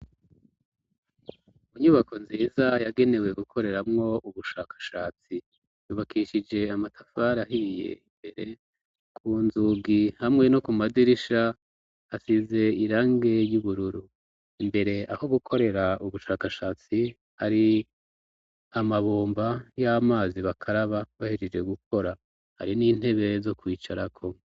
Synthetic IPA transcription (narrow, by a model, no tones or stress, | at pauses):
uɲuβako̞nziːzajaɡe̞ne̞we̞ɡukʰo̞ɾe̞ɾamŋo̞uβuʃa̰ːkḁʃaːt͡si | juːβakʰiʃid͡ʒe̞amatʰafaɾaɦije̞̰imbe̞ɾe̞̰ | kʰuːnzuɡihamŋe̞no̞kumadiɾiʃa | asize̞iɾaːŋɡe̞juβuɾuɾu | imbe̞ɾe̞aho̞ɡukʰo̞ɾe̞ɾauβuʃaːkaʃaːt͡si | haɾi | amaβoːmbajamaːziβakʰaɾaβaβahid͡ʒed͡ʒe̞ɡukʰo̞ɾa | ha̰ɾiniːn̥e̞βe̞zo̞kwiːt͡ʃaɾakʰo̞